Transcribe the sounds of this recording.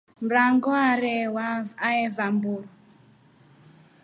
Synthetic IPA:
m̩ɾaŋɡɔaɾɛwaaɛvambuɾɔ

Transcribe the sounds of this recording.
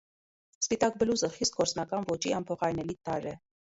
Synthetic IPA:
spit̪ɑk̚bəluzəχist̪̚ɡɔɾt͡snɑkɑnvɔt͡ʃiɑmpʰɔχɑjnɛlit̪ɑɾɛ

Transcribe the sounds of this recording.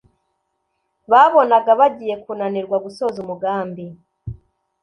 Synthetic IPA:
βaβo̞naɡaβaɟiːje̞kuːnaniɾɡwaɡuso̞zumuɡaːmbi

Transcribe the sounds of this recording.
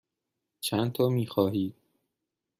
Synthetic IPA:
t͡ʃʰænt̪ʰɒːmiːxɒːɦiːd̪̥̚

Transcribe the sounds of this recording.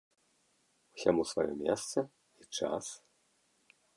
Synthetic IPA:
usʲamusvajɔ̰mʲɛst̪sɐ | it͡ʂa̰s

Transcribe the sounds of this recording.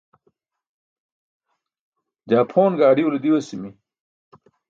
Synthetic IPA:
d͡ʑaːpʰoːnɡaːɖiulɐd̪iwɐsimi

